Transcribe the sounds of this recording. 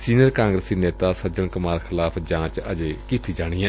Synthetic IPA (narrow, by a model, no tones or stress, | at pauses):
siːnəɾkãːŋɡɾəsiːneːt̪aːsəd͡ʒəɳkʊmaːɾkʰɪlaːpʰd͡ʒãːt͡ʃəd͡ʒeːkiːt̪iːd͡ʒaːɽ̃iːɛ̃ː